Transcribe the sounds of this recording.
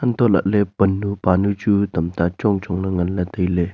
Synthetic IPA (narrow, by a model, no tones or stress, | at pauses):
ʔənt̪ɔla̰ʔ̚lepənːupanut͡ʃut̪ɐmt̪at͡ʃɔŋt͡ʃɔŋlaŋɐnlat̪əjle